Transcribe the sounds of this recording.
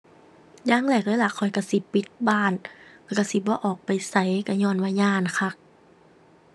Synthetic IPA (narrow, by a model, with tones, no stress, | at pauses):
jaː˧˥˨ŋlɛː˧˩k̚lɤː˧˦˨la˧˩kʰːɔ˨˩jka˧˩si˧˦pi˧˦t̪̚baː˧˥˩nlɛː˧˩ka˧˩si˧˦bɔː˧˦ʔɔː˨˩k̚pa˨jsa˧˩jka˧˩ɲɔː˧˩˨nwaː˧˨ɲaː˧˥˨nkʰa˧˩k̚